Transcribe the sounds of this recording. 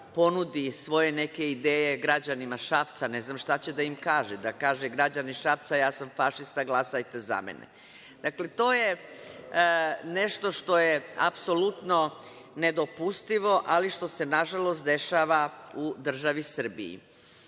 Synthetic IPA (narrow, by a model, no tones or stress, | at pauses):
po̞nud̪isʋo̞je̞ne̞ke̞id̪eːjeɡɾad͡ʑanimaʃaft̪sane̞znaːmʃt̪at͡ɕed̪aimkaːʒɛd̪akaːʒeɡɾad͡ʑaniʃaft̪sajaːsamfaʃist̪aɡlˠasajt̪e̞za̰mḛnḛ | d̪̥akle̞t̪o̞ːje | neʃt̪o̞ʃt̪o̞jea̰pso̞lut̪no̞ | ned̪o̞pust̪iʋo̞ʔaliʃt̪o̞se̞naʒalo̞st̪d̪e̞ʃaːʋa | ud̪r̩ʒaʋisər̩bḭḭ